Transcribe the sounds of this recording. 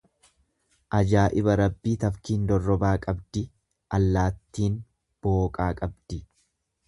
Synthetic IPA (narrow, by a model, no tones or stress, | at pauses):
ʔɐd͡ʒaːʔɪβɐɾɐbːiːt̪ɐfkiːnd̪ɔrːɔbaːkʼɐbd̪ɪ | ʔɐlːaːt̪ːiːn | b̥oːkʼaːkʼɐbd̪̥ɪ